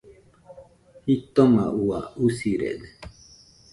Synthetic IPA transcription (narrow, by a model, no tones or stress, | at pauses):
hit̪omaʔuausiɾḛd̪e